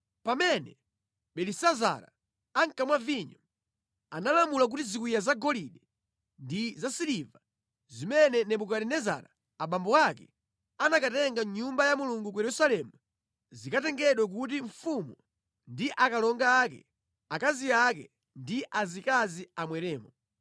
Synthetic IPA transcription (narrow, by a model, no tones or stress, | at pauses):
pamɛnɛ | ɓɛlisaza̰ɾa̰ | aŋkamwaviɲɔ | analamulak̬utizikijazaɡɔliɗɛ | ndizasiliva | zimɛnɛnɛɓukaɾɛnɛza̰ɾa̰ | aɓambɔwakɛ | anakatɛŋɡaɲumbajamuluŋɡuk̬ujɛɾusalɛmu | zikatɛŋɡɛɗwak̬ut̬iɱ̩fumu | ndiʔakalɔŋɡaːkɛ̰ | akaziak̬ɛ̰ | ndiʔazikaziamwɛɾɛːmɔ